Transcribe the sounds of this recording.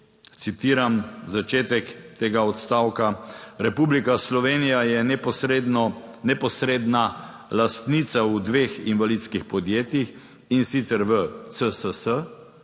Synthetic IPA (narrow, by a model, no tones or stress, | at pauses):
t̪sit̪iːɾamzat͡ʃeːt̪ɛkt̪eːɡaɔt̪st̪aːwkaɾɛpublikaslɔʋeːnijajɛpɔsɾed̪nɔnɛpɔsɾed̪na | last̪nit̪saud̪ʋeːxinʋalid̪skixpɔd̪jeːt̪jix | insit̪sɛɾʋət̪səsəsə